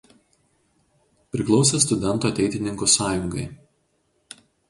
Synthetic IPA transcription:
pʲɾʲɪklˠɒʊsʲɛs̬t̪ʊd̪ʲɛnt̪oːɐt̪ʲɛɪt̪ʲɪnʲɪŋkosɑːjʊŋɡɐɪ

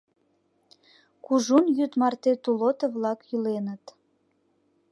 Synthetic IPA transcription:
kuʒunjyt̪mɑrt̪et̪ulot̪əβlɑkjylenət̪

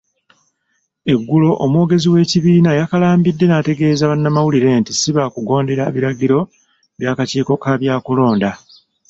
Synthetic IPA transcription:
e̞ɡːulo̞ʔomwo̞ːɡe̞ziwe̞ːciβiːnajakalaːmbidːe̞nate̞ɡe̞ːzaβanːamawuliɾe̞ntisiβakuɡo̞ːnde̞ɾaβiɾaɟiɾo̞ | βjaːkaciːko̞kaβjaːkulo̞ːnda

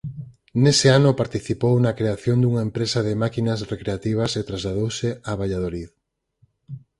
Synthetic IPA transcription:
nesɪanʊpaɾt̪iθipownɐkɾeaθjond̪uŋaempɾesɐðɪmakinɐsrekɾeat̪iβ̞ɐset̪ɾazlaðowsɪaβaʎaðolið

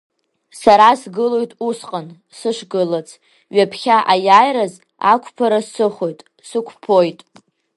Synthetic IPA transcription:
saɾasɡɨlo̞jtʼusqʼan | sɨʂʷɡɨlat͡sʰ | ɥapʰχʲaʔajaːjɾaz | a̰kʷʰʼpʰaɾassɨχo̞jtʼ | sɨkʷʰpʰo̞jtʼ

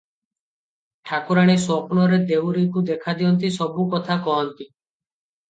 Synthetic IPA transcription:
ʈʰakuɾaɽ̃esɔpnɔɾed̪ewɾikud̪ekʰad̪iɔnt̪isɔbukɔt̪ʰakɔɦɔnt̪i

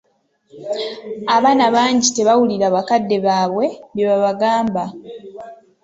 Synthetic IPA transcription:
aβaːnaβaːɲɟite̞βawuliɾaβakadːe̞βaːβwe̞βjeβaβaɡaːmba

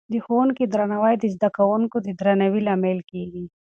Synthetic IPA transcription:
d̪ixonkid̪ɾanawajd̪izd̪akawʊŋkod̪id̪ɾanawilamelkiɡi

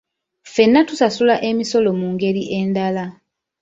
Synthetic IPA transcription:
fe̞nːatusasulaʔe̞miso̞lo̞muːŋɡe̞ɾiʔe̞ːndala

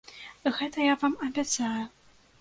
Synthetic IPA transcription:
ɣɛt̪ɐjavamɐbʲat̪saju

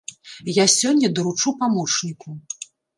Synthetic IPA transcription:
jasʲɔnʲːɐd̪ɐɾut͡ʂupamɔt͡ʂnʲiku

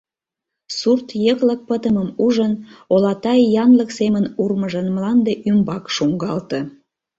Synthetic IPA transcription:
surt̪jəklək̚pət̪əməmuʒənolɑt̪ɑjjɑnləksemənurməʒənmlɑnd̪eʔymbɑkʃuŋɡɑlt̪ə̆

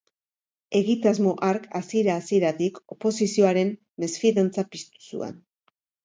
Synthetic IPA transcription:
e̞ɣit̪azmo̞ʔaɾkasieɾaːsieɾat̪iko̞po̞sisio̞aɾe̞nː | e̞sfiðant͡sapist̪u̥sṵa̰n

